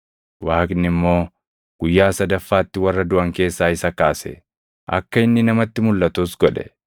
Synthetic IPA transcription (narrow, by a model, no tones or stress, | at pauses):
waːkʼɪnːɪmːo̞ː | ɡ̥ʊjːaːsɐd̪ɐfːaːt̪ːɪwɐrːɐd̪ʊʔɐŋke̞ːsːaːɪsɐkaːsɛ̰ | ʔɐ̰kːɐɪnːɪnɐmɐt̪ːɪmʊlːɐt̪ʊsɡɔᶑɛ̰